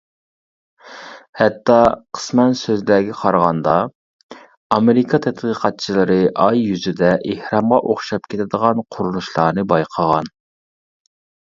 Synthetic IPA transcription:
hɛt̪ːɑqʰə̥smɛnsøzlɛːɡʲɛqʰɑɾʁɑnd̪ɑ | ɑmeɾɪkʰɑt̪ʰɛt̪qʰəːqʰɑt̪̚t͡ʃʰilˠɨɾɨʔɑjːyzyd̪ɛʔehɾɑmʁɑʔoχʃɑp̚kʲʰet̪ɪd̪əʁɑnqʰʊɾunuʃlˠɑːnɨbɑjqʰəʁɑn

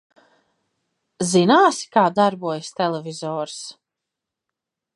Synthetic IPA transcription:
zinaːsi̥kaːd̪aɾbuɔjst̪ɛlˠɛvizɔːɾs

